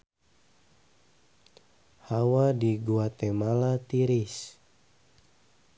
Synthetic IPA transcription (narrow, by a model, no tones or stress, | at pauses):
hawadiɡuat̪ɛmalat̪iɾis